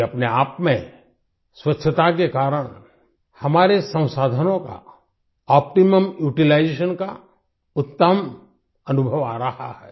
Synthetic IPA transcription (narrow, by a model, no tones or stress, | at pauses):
ɐpneaːpmẽ | swɐtːʃʰət̪ak̬ekaːɾəɽ̃ | hɐmaːɾesɐ̃w̃saːd̪ʱənõka̰ | ɔːp̚ʈiməmjuːʈilaɪd͡ʒeːʃənka̰ | ʊt̪ːəm | ɐnʊbʱəʋaːɾɐha̰hɛː